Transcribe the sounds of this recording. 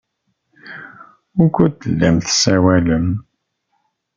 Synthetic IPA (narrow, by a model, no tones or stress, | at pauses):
ʊkʷːut̪ːəlːæmθsæwæləm